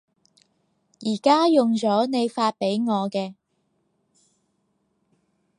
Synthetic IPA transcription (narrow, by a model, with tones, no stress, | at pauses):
jiː˨˩kaː˥jʊ˨ŋt͡ʃɔː˨˥ne˨˧jfaː˧t̚pe˨˥jŋɔː˨˧kɛː˧